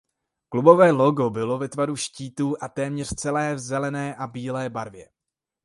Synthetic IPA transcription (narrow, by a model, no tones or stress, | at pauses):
klubo̞vɛːloɡo̞bɪlo̞vɛt̪vaɾuʃciːt̪uːʔat̪ɛːmɲɛr̝̥t͡sɛlɛːvzɛlɛnɛːʔabiːlɛːbaɾvjɛ